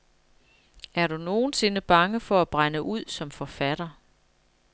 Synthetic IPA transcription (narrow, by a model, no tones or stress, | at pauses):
æɐɾuno̝ːn̩se̝nəb̥ɑ̈ŋəfɒ̽æb̥ʁanəʔuð̞̰ˠsɒ̽mfɒ̽fæɾ̥ɐ